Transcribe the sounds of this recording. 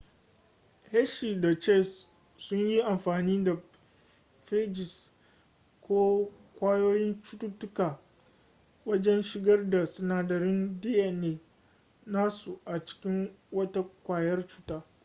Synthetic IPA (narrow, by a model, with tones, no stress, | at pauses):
hɛ˦ʃiː˨da˨t͡ʃɛ˦˨s | sʊ˦ɲji˦ʔa˨mɸaː˨niː˦da˨ | ɸe˦d͡ʒɪ˨s | kʷoː˦ | kʷaː˦joː˦jɪ˦nt͡ʃʊ˦tu˦tʊ˦kaː˨ | wɐ˦d͡ʒɛ˦nʃɪ˨ɡɐ˦rda˨sʊ˨naː˨dɐ˨ɾɪ˦ndi˦ʔɛ˨neː˨ | naː˦su˨ʔa˨t͡ʃɪ̥˦kʲɪ˦ŋwɐ˦ta˦kʷaː˨jɐ˦rt͡ʃuː˦taː˦